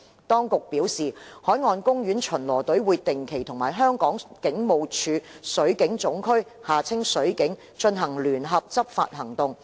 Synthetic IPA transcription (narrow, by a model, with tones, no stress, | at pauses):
t̪ɔː˥ŋkʊ˨k̚piː˨˥wsiː˨hɔː˨˥jŋɔː˧nkʊ˥ŋjyː˨˥nt͡ʃʰɵ˨˩nlɔː˨˩t̪ɵ˨˥ɥwuː˨˧t̪ːɪ˨ŋkʰe˨˩jt̪ʰʊ˨˩ŋmaː˨˩jɦœː˥ŋkɔː˨˥ŋkɪ˨˥ŋmo˨wt͡ʃʰyː˨˧sɵ˨˥ɥkɪ˨˥ŋt͡sʊ˨˥ŋkʰɵ˥ɥ | haː˨˩t͡sʰɪ˥ŋsɵ˨˥ɥkɪ˨˥ŋ | t͡ʃɵ˧nɦɐ˨˩ŋlyː˨˩nɦɐ˨p̚t͡sɐ˥p̚fa̰ː˧t̚hɐ˨˩ŋt̪ʊ˨ŋ